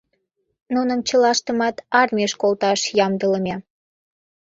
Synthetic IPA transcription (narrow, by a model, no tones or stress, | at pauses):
nunəmt͡ɕəlɑʃt̪əmɑt̪ɑrmʲieʃkolt̪ɑʃjɑmd̪ələmʲe